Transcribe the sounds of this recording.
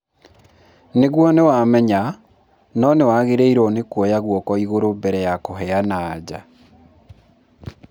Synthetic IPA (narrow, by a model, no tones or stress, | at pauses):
neɣwɔnewamɛɲa | nɔnewaɣeɾeiɾɔnekwɔjaɣwɔkɔiɣoɾombɛɾɛjakoɦɛanaːd͡ʑa